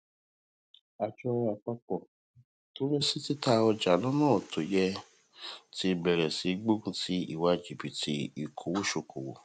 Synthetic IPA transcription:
a˨d͡ʒɔ˧a˨k͡pa˧k͡pɔ˨ | to˦ɾĩ˦si˦ti˦ta˧ɔ˧d͡ʒa˨lɔ̃˦nãː˦˨o˨tʰo˨jɛ˧ | ti˧˦bɛ˨ɾɛ˨si˨˦ɡ͡bo˦ɡũ˦ti˦ḭ˦˨wa˧d͡ʒi˨bi˨ti˧˦i˨kʰo˨wo˦ʃo˧ko˨wo̰˨

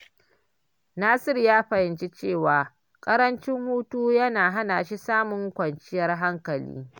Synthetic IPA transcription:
naː˦sɪ˦rjaː˦ɸɐ˨hɪ˨nt͡ʃi˦t͡ʃeː˦˨waː˨ | kʼɐ˦ɾɐ˦nt͡ʃɪ˦ŋhuː˦tuː˦jɐ˦naː˨ɦa˦naː˨ʃi˦saː˦mʊ˨ŋkʷɐ˨nt͡ʃɪ˦jɐ˨rɦa˦ŋkɐ˨lḭː˦

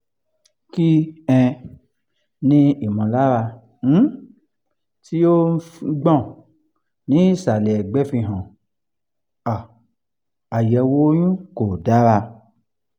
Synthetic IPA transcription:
ki˦ɛ̃˧ | nĩ˧i˨mɔ̃˨la˦ɾa˧ | n̩˨˦ | ti˦o˦ɡ͡bɔ̃˦˨ | nĩ˨˦˨sa˨lɛ˨ɡ͡bɛ˨˦fĩ˧ɦɔ̃˨ | a˨ | a˨jɛ˧˦wo˦jũ˦ko˨da˨˦ɾa˧

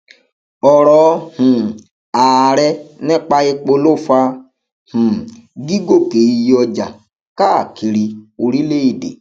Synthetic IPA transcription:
ɔ˨ɾɔː˨˦h̩˨ | aː˨ɾɛ˧nɛ˦k͡pa˧je˧k͡po˧lo˦˨fa˧ | hũ˨ɡi˦ɡo˦˨ke˨ji˧jɔ˧d͡ʒa̰˨ | ka˦˨ki˨ɾi˧o˧ɾi˦le˦i˦˨dḛ˨

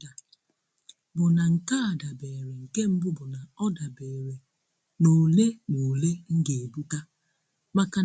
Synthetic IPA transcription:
a˨ | bʊ˨na˨ŋ̩˨ka˦a˨da˨be˨ɾe˨ŋ̩˨ke˦m̩˦bʊ˦bʊ˨na˨ɔ˦da˨beː˨ɾe˨ | no˨le˦no˨le˦ŋ̩˦ɡe˨e˨bu˦ta˦ | ma˦ka˦

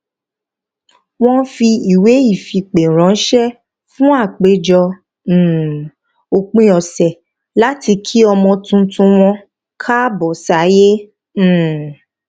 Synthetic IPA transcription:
w̃ɔ̃˦fi˧i˨we˨˦i˦˨fi˧k͡pe˨ɾ̃ã˨˦n̩˦ʃɛ˦ | fũ˦a˦˨k͡pe˨˦d͡ʒɔ̃˧˦˨ | o˨k͡pĩ˧ɔ˨sɛ˨ | la˦ti˧kʰi˦ɔ˧mɔ̃˧tũ˧tũ˧w̃ɔ̃˧ | kʰa˦bɔ˨sa˨˦jẽ˦˨

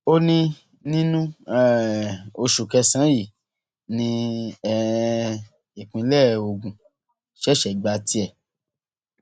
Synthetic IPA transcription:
o˦nĩ˧ | nĩ˦nũ˦ɛ˨o˧ʃu˨kɛ˧sã˨˦ji˦˨ | nĩ˧ɛ˦˨ | i˨kũ˨˧˦lɛ˦˨o˧˨ɡũ˨ | ʃɛ˦ʃɛ˨ɡ͡ba˧ti˧˦ɛ˦˨

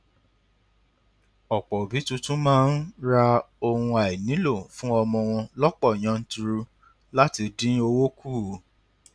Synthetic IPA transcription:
ɔ˨k͡pɔ˨bi˨˦tũ˧tũ˦mãː˦n̩ɾa˧o˧hũ˧a˨i˨nĩ˨˦lo˦˨fũ˦ɔ˧mɔ̃˧w̃ɔ̃˧lɔ˦k͡pɔ˦˨j̃ã˧n̩˦tu˧ɾu˧ | la˦ti˧dĩ˦o˧wo˦kuː˦˨˦

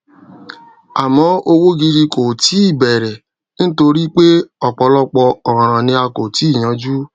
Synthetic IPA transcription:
a˨mɔ̃˨˦o˧wo˦ɡi˧ɾi˧ko˨ti˨˦i˦˨bɛ˨ɾɛ˨ | ñ̩˦to˧ɾi˦k͡pe˦ɔ˨k͡pɔ˧˦lɔ˦k͡pɔ˧ɔ˨ɾã˨ɾ̃ã˨nĩ˧a˧ko˨ti˨˦˨j̃ã˨˦d͡ʒu˦

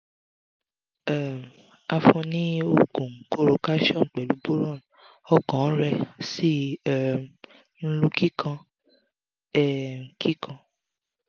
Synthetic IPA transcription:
ɛ˦˨m˨ | a˧fɔ̃˧nĩ˦o˦˨ɡũ˨ŋ̩˨˦ko˦˨ɾo˧ka˦ʃɔ̃˦˨k͡pɛ˨lu˨˦bo˦ɾɔ˦˨n˨ | ɔ˦kɔ̃˨˦ɾɛ˧si˦ɛ˦˨ | n̩˦lu˦ki˦kʰã˧ | ɛ˦˨kʰi˦kʰã˧

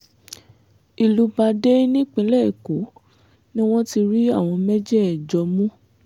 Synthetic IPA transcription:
i˨lu˧ba˧de˦nĩ˦k͡pĩ˨˦lɛ˦˨ko˨˦ | nĩ˦w̃ɔ̃˦ti˧ɾi˦a˦˨w̃ɔ̃˧mɛ˦d͡ʒɛ˦ɛ˨d͡ʒɔ˨˧mũ˦

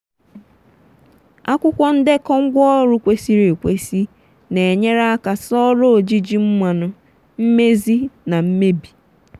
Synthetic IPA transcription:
a˦kʷʊ˦kʷɔ˦n̩˦dɪ˦kɔ˦ŋ̩˦ɡʷɔ˦ɾu˦kʷe˦si˦ɾe˨kʷe˦si˦ | ne˨e˨ɲe˦ɾa˦a˦ka˨sɔ˦ɾo˦o˨d͡ʒi˦d͡ʒi˦m̩˦mʷa˨nʊ˦ | m̩˦me˦zi˦na˨m̩˦me˦bi˨

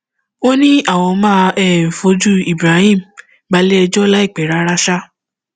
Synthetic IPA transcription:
o˦nĩ˦a˦˨w̃ɔ̃˧mãː˦ɛ˦˨fo˧˦d͡ʒu˦i˨bɾa˨˦hĩ˦˨m̩˨ | ba˧˦le˦ɛ˧d͡ʒɔ˦la˦i˦˨k͡pɛ˨˦ɾa˨˦ɾa˦ʃa˦

